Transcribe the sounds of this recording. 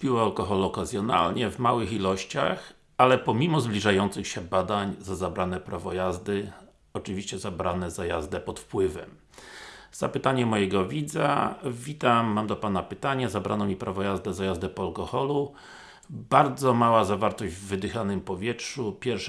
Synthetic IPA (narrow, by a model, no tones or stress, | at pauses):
pʲiwɔalkɔxɔluɔkazʲjɔna̰lɲɛvmawɘxilɔɕt͡ɕa̰x | alɛpɔmʲimɔzblʲiʐajɔnt̪sɘxɕɛbad̪aɲzazabɾanɛpɾavɔjazd̪ɘ | ɔt͡ʂɘvʲiɕt͡ɕɛzabɾanɛzaja̰zd̪ɛpɔt̪fpwɘvɛm | z̥apɘt̪aɲɛmɔjɛɡɔvʲid̪za̰vʲit̪amːamd̪ɔpanapɘt̪aɲɛzabɾanɔmʲipɾavɔjazd̪ɛzajazd̪ɛpɔalkɔxɔlu | baɾd̪zɔmawazavaɾt̪ɔʑd͡ʑvːɘd̪ɘxanɘmpɔvʲjɛtʂupʲjɛɾfʂ